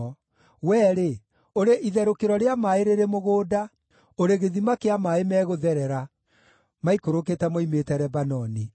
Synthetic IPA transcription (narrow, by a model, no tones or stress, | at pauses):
wɛːɾe | oɾeʔiðɛɾokeɾɔɾeamaeɾeɾemoɣoːda | oɾeɣeðimakeamaemɛːɣoðɛɾɛɾa | maikoɾoketɛmɔimetɛɾɛbanɔni